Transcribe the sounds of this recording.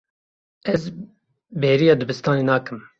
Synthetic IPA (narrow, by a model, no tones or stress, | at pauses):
ɛz | beːɾijɑːd̪ɨbɨst̪ɑːneːnɑːkɨm